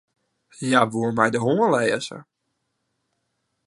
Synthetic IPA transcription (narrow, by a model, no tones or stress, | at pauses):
jaʋuərmɛjdəɦoəlɛːsə̰